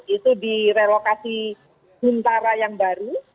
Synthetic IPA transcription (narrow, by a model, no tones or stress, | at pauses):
it̪udiɾelokasi | b̥unt̪aɾajaŋbaɾu